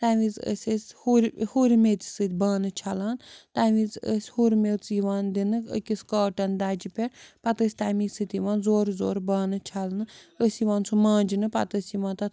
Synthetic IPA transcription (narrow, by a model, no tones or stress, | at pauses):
t̪aːʋizə̰sʲəsʲhuɾʲhuɾʲmeːt̪ʲi̥sɨt̪ʲbaːnɨt͡ʃʰalaːnt̪aːʋizəsʲhuɾmet͡siʋaːnd̪inɨkə̰kʲisʲkaːʈɐnd̪aːd͡ʒipʲeɾpɐt̪əsʲt̪aːmiːsɨt̪ʲiʋãːnzoːɾzoːɾbaːnɨt͡ʃʰalnɨəsʲiʋaːnt͡sʰumãːnd͡ʒinɨpɐ̰t̪əsʲiʋaːnt̪ɐt̪